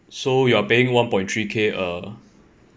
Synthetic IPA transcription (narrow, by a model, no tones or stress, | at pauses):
sojuapeĩŋwãnpɔ̃j̃ntʰɹikʰeʔə